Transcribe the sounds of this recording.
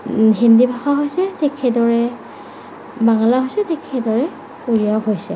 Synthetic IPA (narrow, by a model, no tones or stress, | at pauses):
ɦindibʱaxaɦojsɛtɛkʰɛdɔɹɛ | baŋɔlaɦojsɛtɛkʰɛdɔɹɛ | uɹiawɦojsɛ